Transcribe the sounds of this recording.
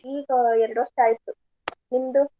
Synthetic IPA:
iːɡɐeɾɖoːsʈaːjit̪ːu | nind̪u

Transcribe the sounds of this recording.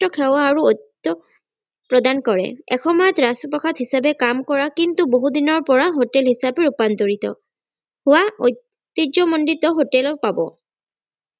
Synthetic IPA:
ɔkʰɛwaːɹuot̪ːɔ | pɹɔdankɔɹɛ̰ɛ̰xʰɔmɔjɔtɹasɔpɹɔkʰadɦisabɛkamkɔɹakintuboɦudinɔɹpɔɹaɦotɛlɦisabɛɹupantoɹitɔ̰ | hʊwaoj | t̪ːid͡ʒɔmɔnditɔɦotɛlpabɔ̰

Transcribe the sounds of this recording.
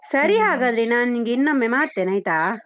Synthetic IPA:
sɐɾiɦaːɡaːd̪ɾenaːnniŋɡeinːɐmːemaːɽt̪eːnɐjt̪aː

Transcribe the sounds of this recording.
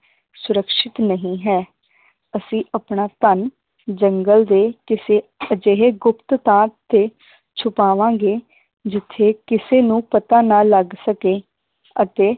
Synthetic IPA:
sʊɾəkʃɪt̪nəɦĩːɦɛː | əsĩːʔəpɳaːt̪ən | d͡ʒəŋɡəld̪eːkɪseːd͡ʒeɦeːɡʊpt̪t̪ãːt̪ːeː | t͡ʃʰʊpaːʋãːɡeː | d͡ʒɪt̪ʰːeːkɪseːnũːpət̪aːnaːləɡsəkeː | ət̪eː

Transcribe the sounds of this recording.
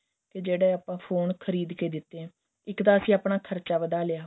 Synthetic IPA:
ked͡ʒeːɽeːaːpãːpʰoːnkʰəɾiːd̪keːd̪ɪt̪ːẽː | ɪkt̪ãːəsĩːaːpɳaːkʰəɾt͡ʃaːbəd̪aːleaː

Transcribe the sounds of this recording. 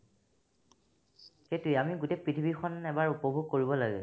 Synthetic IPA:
xetujamiɡutejpɹitʰibʱixʰɔnɛbaɹupɔbʱuɡ̚koɹibɔlaɡɛ̰

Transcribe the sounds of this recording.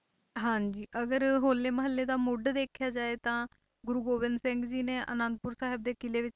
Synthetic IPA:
ɦãːɲd͡ʒiːʔəɡəɾɦoːlːeːməɦəlːeːd̪aːmʊɖd̪eːkʰjaːd͡ʒaːeːt̪ãː | ɡʊɾuːɡoːʋɪnd̪sɪ̃ŋɡd͡ʒiːneːʔə̰nə̃nd̪̚pʊɾsaːɦɪb̚d̪eːkɪleːʋɪt͡ʃ

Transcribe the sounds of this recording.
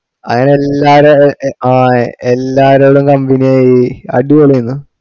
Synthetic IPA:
ɐŋːɐneelːaːɾoaːelːaːɾoːɽumkɐmbinijaiɐ̰ɖikoɭijunːɨ

